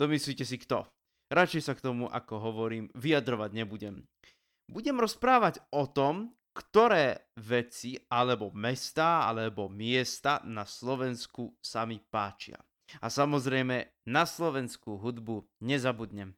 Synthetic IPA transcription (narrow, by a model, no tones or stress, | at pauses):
d̪ɔmisliːcɛs̬ikt̪ɔ | ɾat͡ʃɛjsakt̪ɔmuʔa̰kɔɦɔʋɔɾiːmʋiad̪ɾɔʋaɟɲɛbuɟɛm | buɟɛmɾɔspɾaːʋaɟɔt̪ɔm | kt̪ɔɾɛːʋɛt͡sialɛbɔmɛst̪aːa̰lɛbɔmɪɛst̪anaslɔʋɛnskusamipaːt͡ʃɪa̰ | asamɔzɾɛjmɛ | naslɔʋɛnskuɦud̪buɲɛzabud̪ɲɛm